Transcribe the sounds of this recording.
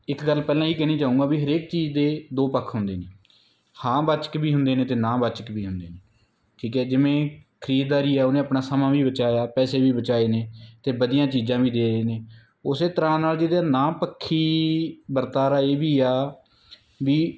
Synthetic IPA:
ɪkɡəlpɛːlãːiːkɛːniːt͡ʃaːũːɡaːbiːɦəɾeːkt͡ʃiːd͡ʒd̪eːd̪oːpəkʰɦʊnd̪eːneː | hãːbat͡ʃə̥kbiːɦʊ̃nd̪eːnẽːt̪eːnãːbaːt͡ʃəkʋiːɦʊnd̪eːneː | ʈʰiːkɛːd͡ʒɪmẽːkʰəɾiːd̪̚d̪aːɾiːɛaːʊnẽːəpnaːsəmãːʋiːbət͡ʃaːjaːpɛːseːbiːbət͡ʃaːeːneːt̪eːbəd̪ɪjãːt͡ʃiːzãːbiːd̪eːɾəeːneː | ʊseːt̪əɾãːnaːld͡ʒɪd̪aːnãːpəkʰːiːbəɾt̪aːɾaːeːʋiːaː | ʋiː

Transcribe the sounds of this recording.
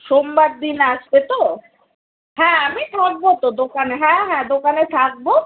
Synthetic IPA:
ʃombaɾd̪inaʃbet̪o | ɦɛ̃amit̪ʰak̚bot̪od̪okaneɦɛ̃ɦɛ̃d̪okanet̪ʰak̚bo

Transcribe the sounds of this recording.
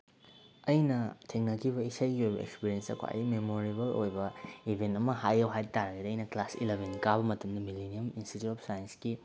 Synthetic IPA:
ɐjnɐtʰiŋnɐkʰiβɐisɐjɡiojbɐ̰ḛkspiɾijensɐ̰kʰa̰jmemoɾibɐlojbɐibʱentɐmɐɦajɐwɦajtaɾɐɡidɐɐjnɐklasḭlebʱenkabɐmɐtɐmdɐmileniɐminsitutɔp̚sajɐnski

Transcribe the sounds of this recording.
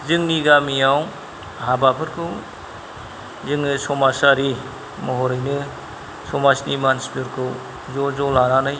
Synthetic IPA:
zɯŋniɡamijaw | ɦabapʰɯɾkʰɯw | zɯŋnɯsɔmasaɾi | mɔɦɔɾɯjnɯ | sɔmasnimanspɯɾkʰɯw | zɔzɔlaɾanɯj

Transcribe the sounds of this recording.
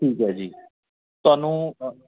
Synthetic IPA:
ʈʰiːkɦɛːd͡ʒiː | t̪ʊaːnũː

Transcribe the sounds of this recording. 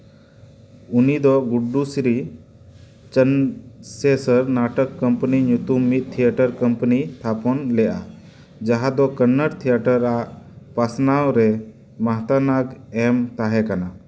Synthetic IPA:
unid̪ɔɡuɖusɾi | t͡ʃənsɛsəɾnaʈəkːəmpəniɲut̪umːit̪̚ˀt̪ʰijaʈəɾkəmpənit̪ʰapɔnlɛʔa | d͡ʒaɦad̪ɔkənːəɾt̪ʰijaʈəɾaʔpasnawɾɛ | maɦt̪anaɡɛmt̪aɦɛkana

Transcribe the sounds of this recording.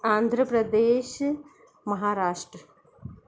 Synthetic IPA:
aːnd̪ʱɾəpɾɐd̪eːʃ | mɐɦaːɾaːʂʈɾɐ

